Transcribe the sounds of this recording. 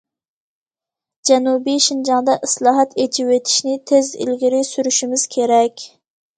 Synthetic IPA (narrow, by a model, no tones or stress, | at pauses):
d͡ʒɛnubiʃind͡ʒɑŋd̪ɑʔɪslˠɑːɦɑt̪et͡ʃʰiwet̪ʰi̥ʃnɪt̪ʰezḭlɡʲiɾɪsyɾyʃimɪz̥kʲʰeɾɛkʲ